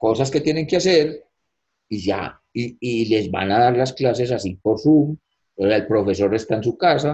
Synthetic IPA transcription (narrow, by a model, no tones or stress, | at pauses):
ko̞saske̞t̪je̞ne̞ŋkeaseɾ | iʝa̰ | iːle̞zba̰naðaɾlasklas̬e̞s̬asipo̞ɾsum | oseaelpɾo̞fe̞s̬o̞ɾe̞st̪aens̬ukasa